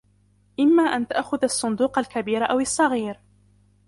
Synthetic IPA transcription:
ʔɪmːaːʔant̪aʔxʊðɑsˤːʊnd̪uːqalkabiːɾʔawɑsˤːɑɣiːɾ

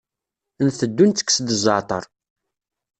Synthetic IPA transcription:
nθəd̪ːunt̪ːə̥kːsd̪əzˤət̪ˤəɾˤ

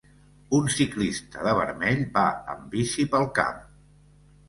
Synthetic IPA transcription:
unsiklist̪əðəβəɾmɛʎbaə̰mbisipəlˠka̰m

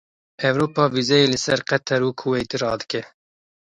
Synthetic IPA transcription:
ɛvɾoːpɑːvizɛjeːlɨsɛɾqɛt̪ʰɛɾuːkʰuwɛjt̪iɾɑ̰ːd̪ɨ̥kɛ

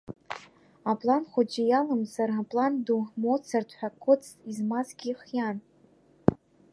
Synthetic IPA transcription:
apʼlanχʷʊd͡ʒɪjalamzarapʼlandumot͡sʰardʰʼħʷᶣakʰʷʊt͡sʰʼizmazɡʲiχjan

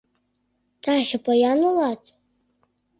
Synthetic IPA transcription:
t̪ɑʃɤ̆pɤjɑnulˠɑt̪

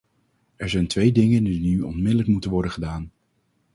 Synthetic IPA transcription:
ɛɹzɛjntʋejdɪŋəndinyɔ̰nmɪdələkmutənʋɔɹdəχədaːn

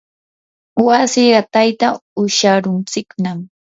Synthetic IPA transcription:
wasiɢɑt̪ajt̪aʊʃaɾʊnt͡sɪknam

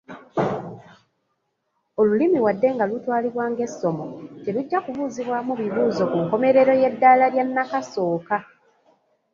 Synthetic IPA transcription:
o̞lulimiwadːe̞ŋɡalutwaːliβwaːŋɡe̞sːo̞mo̞teluɟːakuβuːziβwamuβiβuːzo̞kuŋko̞me̞ɾe̞ɾo̞je̞dːalaljanːakaso̞ːka

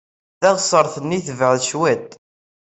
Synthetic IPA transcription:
ðæʁsˤəɾˤθənːiθəvəʕðʃwæt̪

